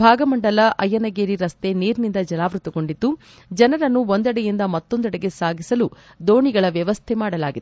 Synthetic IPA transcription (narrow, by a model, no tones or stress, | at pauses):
bʱaːɡɐmɐɳɖɐlɐʔɐjːɐnɐɡeːɾiɾɐst̪e̞niːɾnind̪ɐd͡ʒɐnaːʋɾut̪ɐko̞ɳɖid̪ːu | d͡ʒɐnɐɾɐnːuond̪ɐɽɐjind̪ɐmɐt̪ːo̞nd̪ɛɽɐɡe̞saːɡʱisɐlu | d̪o̞ːɳiɡɐɭɐʋjɐʋɐst̪ʰemaːɽɐla̰ːɡid̪